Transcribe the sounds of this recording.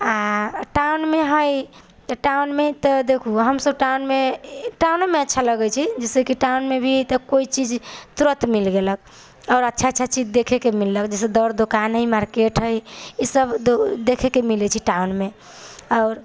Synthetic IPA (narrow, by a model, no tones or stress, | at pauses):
aʈaunmeɦəj̪ | ʈaunmet̪ɔd̪ekʰuɦəmsəb̚ʈawnmeʈawnmeətːʃʰaləɡɛt͡ʃʰid͡ʒɛsekiʈaunmebʱit̪əkoit͡ʃid͡ʒt̪uɾət̪milɡelək̚ | ɔʊɾətːʃʰaːʃʰat͡ʃid͡ʒd̪ekʰɛkemilːəkd͡ʒɛsed̪əɾd̪okanɦəjmaɾkeʈɦəjisəb̪od̪ekʰɛkemilɛt͡ʃʰiʈaunme | ɔʊɾ